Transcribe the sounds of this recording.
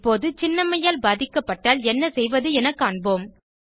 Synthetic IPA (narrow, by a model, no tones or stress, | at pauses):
pːoːðɯt͡ʃɪnːɐmɐjaːlbaːðɪkːɐpːɐʈːaːlɛnːɐsɛjʋɐðɯɛnɐkːaːɳboːm